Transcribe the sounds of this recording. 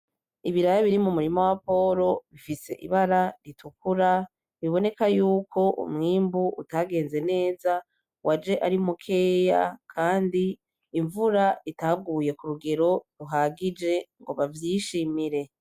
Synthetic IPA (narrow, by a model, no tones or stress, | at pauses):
iβiɾajaβiɾimumuɾimowapo̞ɾo̞βifise̞̰ʔḭβaɾaɾitʰukuɾa | βiβo̞ne̞kajuːkʰo̞ʔṵmŋiːmbuʔṵtaɡe̞ːnze̞ne̞ːza | wʔad͡ʒe̞ʔaɾimukʰe̞ːja̰kʰaːndiː | ɱvuɾaitab̚ɡuːje̞kuɾuɡe̞ɾo̞ɾuɦaɡid͡ʒe̞ŋɡo̞βavjiʃimiɾe̞